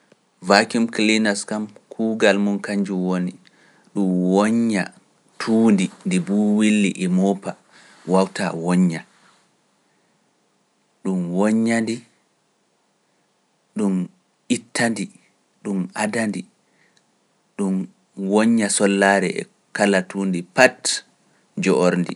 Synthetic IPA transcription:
vakimklinaskamkʰuɡalmunkaɲd͡ʒuwoni | ɗumwɔɲːa̰ | tʰuːndindibuːwilːiʔɛmɔːpa | wawta̰wɔɲːa | ɗumwɔɲːandi | ɗum | ʔitʰːandi | ɗumʔadandi | ɗum | wɔɲːasɔlːaːɾɛ̰ɛ̰ | kalatuːndipat | d͡ʒɔʔoɾndḭ

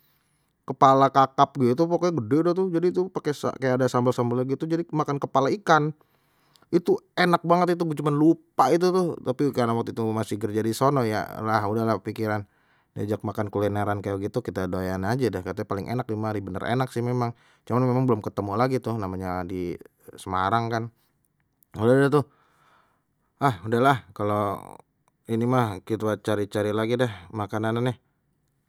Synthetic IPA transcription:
kəpalakakap̚ɡit̪̬upokoɡədɛudaht̪ʊhd͡ʒadit̪upakesa̰kajaadasambəlsambəlaɡit̪ud͡ʒadimakankəpalaikan | it̪uenak̚baŋət̪it̪̬ut͡ʃumanlupait̪̬ut̪ʊht̪apikaanawak̚t̪it̪umasihɡərd͡ʒadisonɔja̰laɦudahlahpikiɾan | dad͡ʒak̚makankulinaɾankajaɡit̪ukit̪adoajanad͡ʒadɛhkat̪aapalɪŋʔḛnak̚dimadibənə̰rḛnaksɪhmemaŋ | t͡ʃumanmemaŋbəlʊmkət̪əmulaɡit̪ʊhnamaɲadi | səmaɾaŋkan | udadaht̪ʊh | ahudahlahkalo | inimakit̪at͡ʃaɾit͡ʃaɾilaɡidɛhmakanananɪh

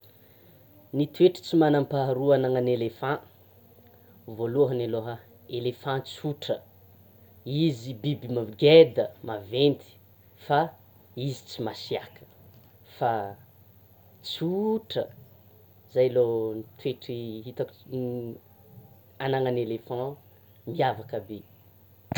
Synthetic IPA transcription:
nit̪weʈ͡ʂi̥t͡simanampaɾuanaŋənelefã | voluɦənaloɦə | elefãt͡suʈ͡ʂə | izibibimaɡed̪əmavent̪i̥ | fa | izi̥t͡simasiakə̥ | fa | t͡suʈ͡ʂə̰ | zajlonit̪weʈ͡ʂiɦit̪aku | anaŋənelefɑ̃ | miavakəbe

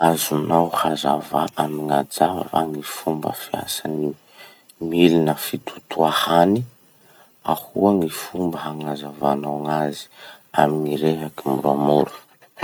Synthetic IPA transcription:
azunawhazavaʔamiŋad͡zava̰ŋifumbə̰fia̰sani | milinəfit̪ʰu̥t̪uahani | ahuaŋifumbəɦaŋazavanaŋazi̥ | aminiɾeɦakimuɾamoɾu̥

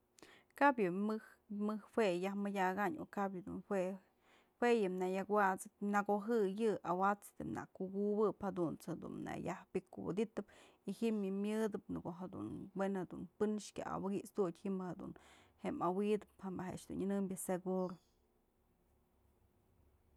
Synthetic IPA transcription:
kabjɨmɨh | mɨhhwʷejahmɨjʲaɡaɲokabjɨd̪ṵnhwe | wejɨmnajakwat͡sɨp̚naɡoɦɨjɨawat͡st̪ɨmna̰kuɡubɨphad̪unt͡shad̪ṵnna̰jahbikuwɨ̰d̪it̪ɨp | ihiʔmɨmjɨd̪ɨpnɨɡoɦad̪ṵnwenhad̪unpɨnʃkʲa̰ʔa̰waɡiʔsd̪ut̪ʲhiʔmbhad̪ṵnhemawid̪ɨphambaɦḛʔt͡ʃd̪unɨnɨmbʲjɨseɡuɾo

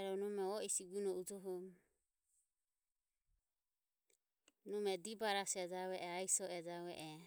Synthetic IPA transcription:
ɾɔnɔmɛɔisiɡunɔud͡ʒɔɦɔm | numɛd̪ibaɾasɛd͡ʒawɛʔɛaisɔɛd͡ʒawɛʔɛ

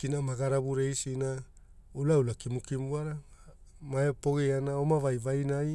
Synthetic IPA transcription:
kinamaɡaɾabuɾejsina | ulaulakimukimuaɾa | maepo̞ɡeanaomavajvajnaj

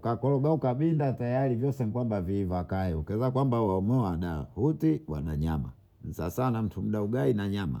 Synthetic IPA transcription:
kakɔlɔɡaukaɓindatajalivjɔsɛŋkwambaviːvakaɛukɛzakwambawaɔmɛwaɗahutiwa̰naɲama̰ | n̩sa̰sanam̩tʰum̩ɗauɡainaɲama̰

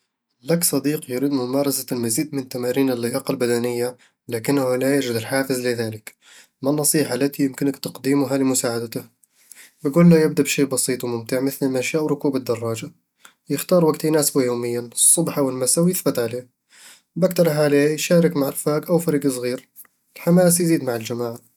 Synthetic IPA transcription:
laksˤɑd̪iːqjʊɾiːd̪mʊmɑːɾˤɑsalmaziːd̪̚mɪnt̪ːamaːɾiːnɪlːɪjɑːqɑlbad̪anɪjːa | lakɪnːahulajaʒɪd̪ɪlħaːfɪzlɪðaːlɪk | manːɑsˤiːħalat̪ijɪmkɪnakt̪ɑqd̪iːmʊɦalɪmʊsaːʕad̪t̪ah | bɪɡuːlːajɪb̚d̪abʃiːʔbɑsiːt̪ˤwmʊmt̪ɪʕmɪθlɪlmaʃaːʔwɾˤʊkuːbad̪ːɑrˤːɑːd͡ʒa | jɪxt̪ɑːɾˤwaɡt̪ijnaːsbajoːmɪjːansˤːʊbħawɪlmasawjɪθbɪt̪ʕaleː | bak̚t̪ɑɾˤħaleːjʃaːɾˤɪkmaʕɪɾfaːɡʔawfaɾiːɡɨs̬ˤɣiːɾ | ɪlħamaːs̬jziːd̪maʕɪld͡ʒamaːʕ

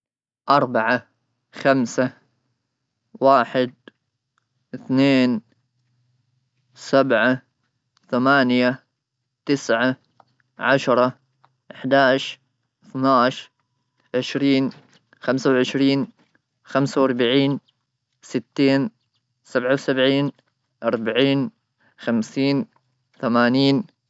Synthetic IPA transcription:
ʔɑɾˤbaʕa | xamsa | waːħɪd̪̚ | ʔɪθneːn | sabʕa | θamaːnja | t̪ɪsʕa | ʕaʃɾˤɑ | ʔɪħd̪aːʃ | ɪθnaːʃ | ʕɪʃɾiːn | xamsawʕɪʃɾiːn | xamsawɑɾˤbaʕiːn | sɪt̪ːeːn | sabʕawsabʕiːn | ʔɑɾˤbaʕiːn | xamsiːn | θamaːniːn

